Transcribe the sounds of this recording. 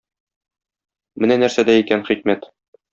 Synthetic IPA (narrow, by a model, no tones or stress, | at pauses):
mɘ̆nænæɾsæd̪æikænχik̚mæt̪